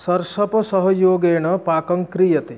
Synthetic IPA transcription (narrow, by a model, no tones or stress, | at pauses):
sɐɾsɔpɔsɔɦɔjoːɡeːɽ̃ɔpaːkɔŋkɾijɐt̪e